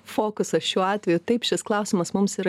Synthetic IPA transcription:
foːkʊsɐʃʲuɔɑːt̪ʲʋʲɛjʊt̪ɐɪpʃʲɪsklˠɐʊsʲɪmɐsmʊmsiːɾɐ

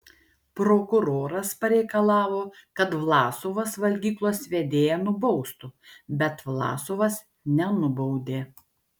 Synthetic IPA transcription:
pɾoːkʊɾoːɾɐspɐɾʲɛɪkɐlˠɑːʋoːkɐt̪ʋlˠɑːsoʋɐsʋɐlʲɡʲiːklˠoːsʋʲed̪ʲeːjɛnʊbɔʊst̪ʊbʲɛt̪ʋlˠɑ̰ːsoʋɐs | nʲɛnʊbɔʊd̪ʲeː

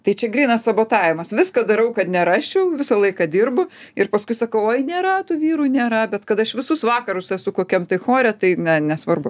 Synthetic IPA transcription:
t̪ɐɪt͡ʃʲɛɡɾʲiːnɐssɐboːt̪ɑːʋʲɪmɐsʋʲɪskɐd̪ɐɾɐʊkɐt̪nʲɛɾɑːʃʲɛʊʋʲɪsɐlˠɐɪkɐd̪ʲɪrbʊɪrpɐskʊɪsɐkɐʊoːɪnʲeːɾɐt̪uːʋʲiːɾuːnʲeːɾɐbʲɛt̪kɐt̪ɐʃʋʲɪsʊsʋɑːkɐɾʊsɛsʊkoːkʲɛmt̪ɐɪxoːɾʲɛt̪ɐɪnʲɛnʲɛsʋɐrbʊ

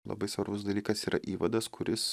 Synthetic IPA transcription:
lˠɐ̰bɐɪsʋɐɾbʊsd̪ɐlʲiːkɐsiːɾʔɐʔiːʋɐd̪ɐskʰʊɾʲɪs

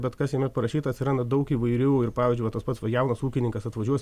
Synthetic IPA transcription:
bʲɛt̪kɐsjɛmʲɛt̪̚pɐɾɐʃʲiːt̪ɐt̪ʲsʲɪɾɐnd̪ɐd̪ɐʊkiːʋɐɪɾʲuːɪɾpɑːʋʲɪːzʲd͡ʒʲʊɪʋɐt̪oːspɐt̪sʋɐjɛʊnɐsuːkʲɪnʲɪŋkɐsɐt̪ʋɐʒʲuɔsʲ

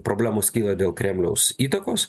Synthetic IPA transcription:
pɾoːbʲlʲæːmoːskʲiːlˠɐd̪ʲeːlˠkɾʲɛmʲlʲɛʊsiːt̪ɐkoːs

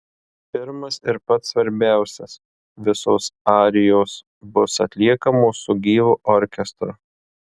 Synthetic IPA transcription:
pʲɪɾmɐsɪɾpɐt̪sʋɐɾʲbʲæˑʊsʲɛs | ʋʲɪsoːsɑːɾʲɪjoːs | bʊsɐt̪ʲlʲiɛkɐmoːsʊɡʲiːʋuːʔɔɾʲkʲɛst̪ɾʊ̰

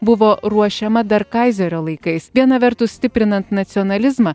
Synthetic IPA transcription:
bʊʋoːɾuɔʃʲɛmɐd̪ɐɾkɐˑɪzʲɛɾʲoːlˠɐɪkɐɪsʋʲiɛnɐʋʲɛɾt̪ʊssʲt̪ʲɪpʲɾʲɪnɐnt̪nɐt̪sʲɔːnɐlʲɪzmɐː

